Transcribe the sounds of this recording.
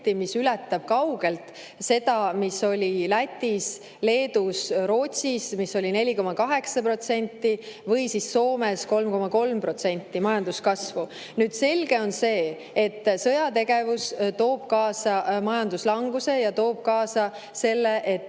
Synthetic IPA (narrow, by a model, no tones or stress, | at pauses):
t̪ːˑimisylɛt̪ːˑɑb̥̚kɑwɡ̥e̞lt̪ | se̞d̪ɑmisːo̞lʲilæt̪ʲːˑis | le̞ːd̪usɾo̞ːt̪ʲsismisːo̞lʲinelʲiko̞mɑkɑɦe̞ksɑpro̞t̪se̞nʲt̪ːivɤjsisːo̞ːme̞sko̞lmko̞mɑko̞lmpro̞t̪se̞nʲt̪ːimɑjɑnd̪̥uskɑsvu | nyːd̪̥se̞lɡ̥e̞o̞nse̞ː | et̪ːsɤ̞jɑt̪e̞ɡ̥e̞vust̪o̞ːb̥kɑːsɑmɑjɑnd̪̥uslɑŋɡuse̞jɑt̪o̞ːb̥̚kɑːsɑ | se̞lːe̞ʔet̪ːˑ